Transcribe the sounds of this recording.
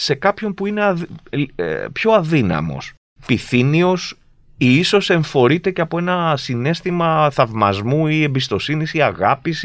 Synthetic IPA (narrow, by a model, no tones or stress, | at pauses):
se̞kɐpço̞mpuinḛ | pço̞ɐðinɐ̰mo̰s | piθinio̞s | iiso̞se̞ɱfo̞ɾit̪e̞ceɐpo̞e̞nɐsine̞st̪imɐθɐvmɐ̰zmuie̞mbist̪o̞sinisiɐɣɐpis